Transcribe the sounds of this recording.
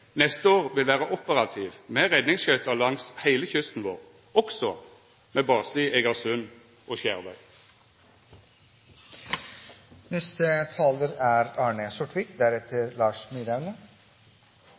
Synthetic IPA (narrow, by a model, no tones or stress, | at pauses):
nɛst̪əoːʁʋɪlʋæːʁəʔʊpəʁɑt̪ʰiːʋmeːʁɛd̪nɪŋsçœʏt̪ɑlɑŋshæɪləçʏst̪n̩ʋoːʁ | ɔksɔ | meːbɑːsɪɛɡɑʁsʉn | ʔoːʃæːʁʋœʏ | nɛst̪ət̪ʰɑːləɾæɾɑːɳəsʊʈʋɪːkd̪æɾɛt̪ʰəɾlɑːʂmyɾæʋnə